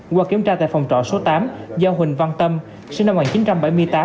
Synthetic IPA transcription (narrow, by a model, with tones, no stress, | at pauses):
kwaː˨˧˩ki˧˩˨əmt͡ɕaː˧t̪a̰ː˧˨jfa˨˩wŋ͡mt͡ɕɔ̰˧˨so˨˦t̪aː˨˦mzaː˧wɦwï˨˩ŋ̟va˧nt̪ə˧m | si˧na˧mŋaː˨˩t͡ɕi˨˦nt͡ɕa˧mɓa˧˩jmɨ˧əjt̪aː˨˦